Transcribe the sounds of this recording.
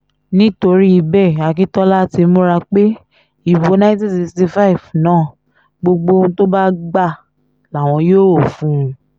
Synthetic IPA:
nĩ˦to˧ɾi˦i˧bɛ˦˨a˨k̬i˦tɔ˦la˦ti˧˦mũ˦ɾa˧k͡pe˦ | i˨bo˧nã˦ti˦˨si˧ksti˧fa˦i˨vnãː˦˨ | ɡ͡bo˧ɡ͡bo˧nũ˦to˦ba˦ɡ͡ba˦˨ | la˨w̃ɔ̃˧joː˦ɾo˦˨fũ˦˧

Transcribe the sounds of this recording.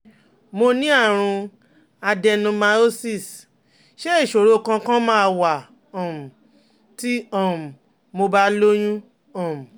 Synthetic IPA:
mo˧nĩ˦a˦˨ɾ̃ũ˧ | a˧dɛ˧nũ˧mã˧o˦si˦˨s | ʃe˦i˦˨ʃo˨ɾo˦˨kã˧kã˦mãː˦˧wa˨ | ɔ̃˨m̩˨ | ti˦ɔ̃˦˨m̩˨ | mo˧ba˦lo˦j̃ũ˦ | ɔ̃˦˨m̩̃˨

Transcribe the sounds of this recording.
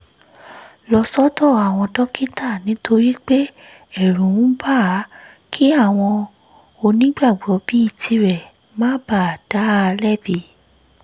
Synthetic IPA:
lɔ˧sɔ˦tɔ˦˨a˨w̃ɔ̃˧dɔ˦ki˦ta˦˨nĩ˨˦tʰo˧ɾi˦k͡pe˦ | ɛ˦˨ɾ̃ũ˨˦ũ˦ba˦˨˦ | kʰi˦a˦˨w̃ɔ̃˧ | o˧nĩ˨˦ɡ͡ba˦˨ɡ͡bɔ˨˦bi˦i˦˨tʰi˧ɾɛ˨ | mãː˦ba˦˨a˨d̥a˨˦˧lɛ˦˨bi˨˦

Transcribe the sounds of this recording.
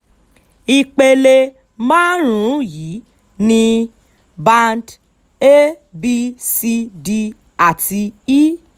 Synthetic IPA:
i˧k͡pe˧le˧ | mãː˦ɾ̃ũ˨˦ji˨˦ | nĩ˧ | bã˧nd | e˦ | bi˦˧si˧di˧ | a˨ti˧i˦

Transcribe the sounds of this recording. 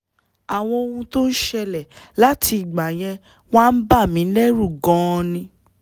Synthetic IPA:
a˨w̃ɔ̃˧o˧hũ˧to˦n̩˦ʃɛ˧lɛ˨la˦ti˧˨ɡ͡ba˨j̃ɛ̃˧ | w̃ã˦n̩˦ba˦˨mĩ˨˦lɛ˦ɾu˦˨ɡɔ̃˨˦˧nĩ˧

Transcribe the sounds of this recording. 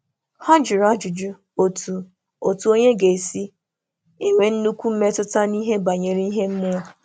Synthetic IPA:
ha˦d͡ʒi˨ɾa˦d͡ʒʊ˨d͡ʒʊ˦ | o˨tu˨ | o˨tu˨o˦ɲe˦ɡe˨e˨si˦ | ɪ˦ŋʷe˨n̩˦nu˦kʷu˦m̩˦me˦tʊ˦ta˦ni˦ɦe˦ba˨ɲe˨ɾi˦i˦ɦe˦m̩˦mʊ˦˨

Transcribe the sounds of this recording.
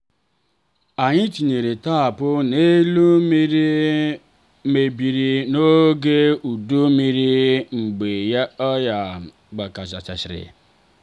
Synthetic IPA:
a˨ɲɪ˦t͡ʃi˨ɲe˨ɾe˨ta˦˨pʊ˦ne˦lu˦mi˦ɾi˦ | me˨bi˨ɾi˨no˦ɡe˦u˨du˦mi˦ɾi˦ŋ͡m̩˨ɡ͡be˨ja˦ɔ˦ja˨ | ɡ͡ba˨ka˨t͡ʃa̰˨t͡ʃa̰˨t͡ʃɪ˨ɾɪ̰˨

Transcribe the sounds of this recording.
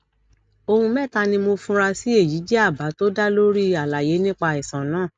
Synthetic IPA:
o˧hũ˧mɛ˦˨ta˧nĩ˧mo˧fũ˧˦ɾa˧si˦e˦˨ji˨˦d͡ʒɛ˦a˦˨ba˨˦to˦da˦lo˦ɾi˦a˨la˨je˨˦nĩ˦k͡pa˧i˨sã˨nãː˨˦˨

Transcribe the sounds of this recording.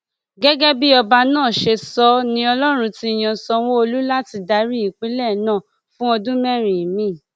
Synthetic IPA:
ɡɛ˦ɡɛ˦bi˦ɔ˧ba˧nãː˦˨ʃe˧sɔ˧nĩ˧˦ɔ˧lɔ˦ɾ̃ũ˧ti˦˨j̃ã˧sɔ˧wo˦o˧lu˦la˦ti˧da˨˦ɾi˦i˨k͡pi˨˦lɛ˦˨nã˦˨ | fũ˦ɔ˧dũ˦mɛ̃˦˨ɾ̃ĩ˨i˨mĩ˨˦˨

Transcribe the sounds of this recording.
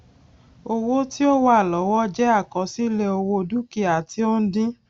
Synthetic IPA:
o˧wo˦ti˦o˦wa˦˨lɔ˨˦wɔ˦d͡ʒɛ˦a˦˨kɔ̃˨˦si˦lɛ˧o˧wo˧du˦ki˦˨a˨ti˨˦o˦n̩˦dĩ˦

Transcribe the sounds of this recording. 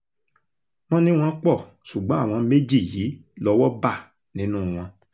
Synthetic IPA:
mɔ̃˦nĩ˦w̃ɔ̃˧k͡pɔ˦˨ | ʃu˨ɡ͡bɔ̃˨˦a˦˨w̃ɔ̃˧me˦d͡ʒi˦˨ji˨˦lɔ˧wɔ˦ba˦˨ | nĩ˨˦nũ˦˨w̃ɔ̃˧

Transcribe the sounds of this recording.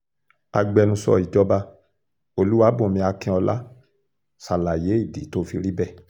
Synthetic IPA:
a˧ɡ͡bɛ˧nũ˧sɔ̰˧i˨d͡ʒɔ˧ba˧ | o˧lu˦wa˦bõ˨mĩ˧a˧kĩ˧˦ɔ˧la˦ | sa˨la˨je˨˦i˦˨dḭ˨˦to˦fi˧ɾi˦bɛ˦˨

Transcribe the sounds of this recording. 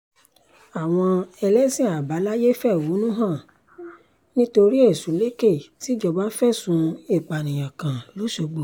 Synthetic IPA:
a˨w̃ɔ̃˧ɛ˧lɛ˦sĩ˦˨a˨ba˨˦la˦je˦fɛ˦˨wu˨˦nũ˦ɦã˦˨ | nĩ˦to˧ɾi˦e˦˨sũ˨˦le˦ke˦˨ti˨˦d͡ʒɔ˧ba˦fɛ˦˨sũ˨˦e˦˨k͡pa˨nĩ˨j̃ã˨kã˨lo˨˦ʃo˧ɡ͡bo˨

